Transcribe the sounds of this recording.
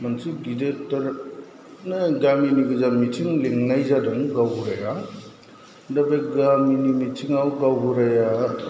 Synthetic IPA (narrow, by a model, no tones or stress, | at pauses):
mɐnsʰuɡidetːɐɾ | nɯɡaminiɡɯzamitʰiŋliŋnajzaduŋɡawɡuɾaja | dɐbeɡaminimitʰiŋawɡawɡuɾaja